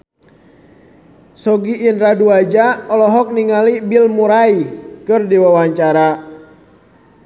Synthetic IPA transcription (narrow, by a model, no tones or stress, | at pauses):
sɔɡiʔinɾaduad͡ʒaɔlɔɦɔk̚niŋalibilmuɾaikɨrdiwawaɲt͡ʃaɾa